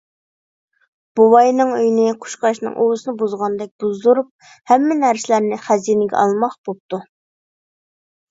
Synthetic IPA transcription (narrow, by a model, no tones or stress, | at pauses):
b̥uwɑjnɨŋøjnɪqʰʊ̥ʃqɑʃnɨ̰ŋʔowsɨnɨbuzʁɑnd̪ɛk̚ʲb̥uzuɾup̚ | hɛmːɪnæɾsɪlæɾnɪχæzinɪɡʲɛ̰ɑ̰lˠmɑχbop̚t̪u